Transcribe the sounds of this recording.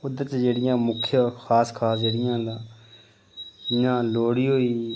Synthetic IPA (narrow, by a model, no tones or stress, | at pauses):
ʊd̪ət͡ʃd͡ʒeːɽɪjãːmʊkʰjaxʰaːskʰaːsd͡ʒeːɽɪjãːɦd̪ãː | ɪjãːloːɽiːɦoːiː